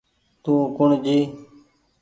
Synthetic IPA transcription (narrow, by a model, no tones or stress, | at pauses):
t̪ũːkʊɳd͡ʒiː